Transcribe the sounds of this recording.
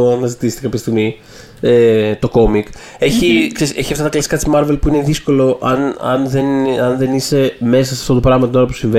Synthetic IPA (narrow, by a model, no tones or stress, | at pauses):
oɐnɐzit̪isi̥t̪ekɐpçɐst̪iɣmi | et̪o̞ko̞mik | e̞çiksese̞çiɐft̪ɐt̪ɐklɐsi̥kɐt̪simɐɾve̞lpuineðisko̞lo̞ʔɐnɐ̰nðe̞nɐnðe̞nise̞me̞s̬ɐsɐ̥ft̪o̞t̪o̞pɾɐɣmɐt̪ino̞ɾɐpu̥siɱve